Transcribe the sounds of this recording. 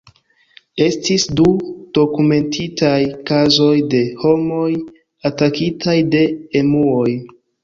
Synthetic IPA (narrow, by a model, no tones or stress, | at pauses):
e̞stisdud̥o̞kume̞ntʰitajkazo̞jde̞ho̞mo̞j | atakitʰajde̞ːmuo̞j